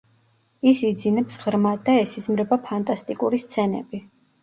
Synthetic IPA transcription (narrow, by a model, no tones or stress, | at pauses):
isid̪zinɛpsʁɾmad̪aɛsizmɾɛbapʰant̪ʼast̪ʼikʼuɾist̪sʰɛnɛ̰bi